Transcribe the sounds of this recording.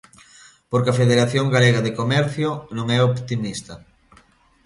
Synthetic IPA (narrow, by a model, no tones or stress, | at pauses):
poɾkɐfeðeɾaθjoŋɡaleɣaðekomɛɾθjʊnõŋɛopt̪imist̪ɐ